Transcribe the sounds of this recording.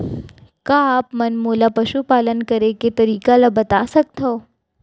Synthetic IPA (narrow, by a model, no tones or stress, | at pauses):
kaaːpmɐnmoːlapɐʃupaːlənkɐɾeket̪ɐɾiːkalabɐt̪asɐk̚t̪o